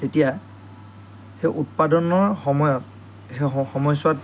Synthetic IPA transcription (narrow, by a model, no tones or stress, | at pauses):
tetija | heʔut̚padɔnɔɹɔmɔɔt | exɔmɔjswat